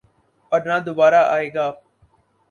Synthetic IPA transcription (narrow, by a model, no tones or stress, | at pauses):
pəɾnãːd̪ʊbaːɾaːʔaːeːɡaː